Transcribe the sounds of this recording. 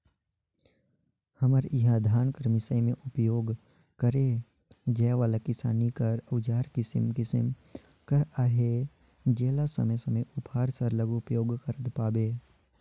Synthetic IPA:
hɐməɾɪɦãd̪ʱaːnkəɾmɪsaːimẽʔʊpjoːɡ | kəɾe | d͡ʒɛːʋaːlakɪsa̰ːnikɐɾəd͡ʒaːɾkɪsə̰mkɪsə̰m | kəɾaːɦe | d͡ʒeːlasə̰məjsɐməjʔʊphaːɾsəɾləɡuʊpjoːɡkəɾət̪paːbeː

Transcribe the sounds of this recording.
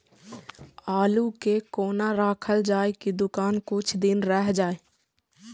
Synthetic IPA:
aːlukekoːnaɾaːkʰəld͡ʒaːekid̪ʊkaːnkʊt͡ʃʰd̪ɪnɾəɦd͡ʒaːe

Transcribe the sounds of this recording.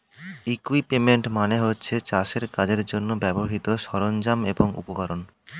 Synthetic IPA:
ikuipːemeɳʈmaneɦotːɕʰet͡ɕaʃeɾkad͡ʑeɾd͡ʑonːobɛboɦit̪oʃɔɾond͡ʑameboŋṵpokaɾon

